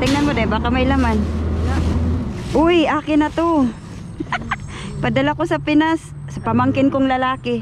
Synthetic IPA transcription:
t̪ɪŋnɐnmod̪ajnbaːkɐmɐjlaman | ʔʊjʔaːkɪnɐt̪o | pɐd̪ɐlakosɐpɪnasː | ɐpɐmaŋkɪnkoŋlɐlaːkɪ

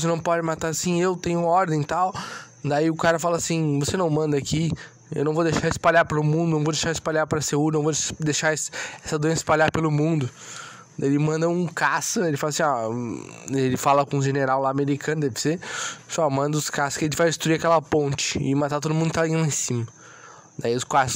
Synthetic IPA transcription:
senɐ̃w̃pɔd͡ʒɪmat̪aɾasĩewt̪ẽj̃ɲʊɔɾd̪ẽj̃t̪aw | d̪aiʊkaɾɐfalɐasĩvosenɐ̃w̃mɐ̃nd̪ɐaki | ḛwnɐ̃w̃vod̪eʃaɾɪspaʎaɾpɾɐʊmũd̪ʊnɐ̃w̃vod̪eʃaɾɪspaʎaɾpɾɐseuɾɪnɐ̃w̃vod̪eʃaɾɛsɛsɐd̪uẽnsɪ̥spaʎaɾpelʊmũnd̪ʊ | d̪aelɪmɐ̃nd̪ɐũkasɐelɪfalɐasĩɔ | elɪfalɐkõũʒeneɾawlaameɾikɐ̃nʊd̪ɛvɪsefɔmɐ̃nd̪ɐʊskasʊskɪẽt̪ɪvajd͡ʒɪst̪ɾuiakɛlɐpõnt͡ʃɪ̥ɪmat̪aɾt̪od̪ʊmũnd̪ʊkt̪alĩaẽsĩmɐ | d̪aiʊskasʊ̥s

